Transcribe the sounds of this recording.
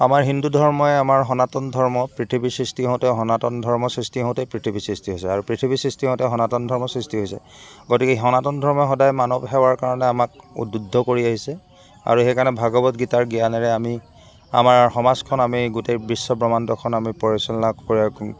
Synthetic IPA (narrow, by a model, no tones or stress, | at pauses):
amaɹɦindudʱɔɹmɔɛamaɹɦɔnatɔndʱɔɹmɔpɹitʰibisɹistiɦɔ̃tɛɦɔnatɔndʱɔɹmɔsɹistiɦɔ̃tɛpɹitʰibʱisɹistiɦojsɛaɹupɹitʰibisɹistiɦɔ̃ʊ̃tɛɦɔnatɔndʱɔɹmɔsɹistiɦojsɛ̰ | ɡotikɛɦɔnatɔndʱɔɹmɔɛxɔdajmanɔbɦɛwaɹkaɹɔnɛamakṵdudʱːɔkoɹiaɦisɛ | a̰ɹuxekanɛbʱaɡɔbɔtɡitaɹɡijanɛɹɛami | a̰maɹxɔmazkʰɔnamiɡutejbɹisːɔbɹɔmantɔkʰɔnamipɔɹisɔlnakoɹia